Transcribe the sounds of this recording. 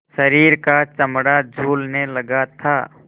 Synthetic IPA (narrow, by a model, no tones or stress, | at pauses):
ʃəɾiːɾkat͡ʃəmɽad͡ʒʱuːlnelɐɡat̪ʰaː